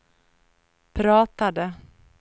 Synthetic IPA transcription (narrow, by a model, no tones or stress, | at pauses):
pʰɾɑːt̪ad̪ə